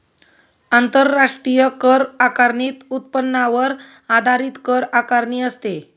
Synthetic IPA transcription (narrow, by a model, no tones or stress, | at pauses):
ant̪əɾːaʂʈɾijəkəɾakaɾɳiːt̪ut̪̚pənːaʋəɾ | ad̪ʱaɾiːt̪kəɾakaɾɳiːəst̪e